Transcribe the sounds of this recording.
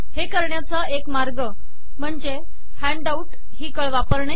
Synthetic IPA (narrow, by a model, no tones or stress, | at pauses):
hekəɾɳjat͡səekmaɾɡə | m̤əɳd͡ze | hæ̃ɳɖauʈ | ɦiːkəɭʋapəɾɳə